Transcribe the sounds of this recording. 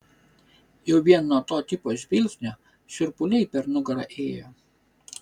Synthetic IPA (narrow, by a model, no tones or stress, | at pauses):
jɛʊʋʲiɛnːuɔt̪oːt̪ʲɪpoːzʲʋʲɪlʲsʲnʲo | ʃʲʊɾpʊlʲɛɪpʲɛɾnʊɡɾɑ̰ʔeːjoː